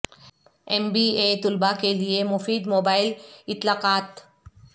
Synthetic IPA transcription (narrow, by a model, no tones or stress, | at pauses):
ɛmbiːeːt̪ʊlbakeliemʊfiːd̪moːbaːɪlɪt̪laːqaːt̪